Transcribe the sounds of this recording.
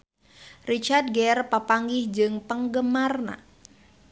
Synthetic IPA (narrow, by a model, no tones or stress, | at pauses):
rit͡ʃart̪̚ɡɛrpapaŋɡihd͡ʒɨŋpəŋɡəmarna̰